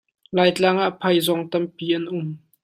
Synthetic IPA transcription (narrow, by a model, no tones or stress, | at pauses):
laːjt͡ɬaŋaʔpʰɐjzɔŋt̪ɐmpiːʔɐnʔʊm